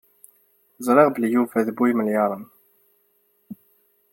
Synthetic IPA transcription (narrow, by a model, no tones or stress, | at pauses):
zˤɾˤeʁbəljuvæðbujməljɑɾˤən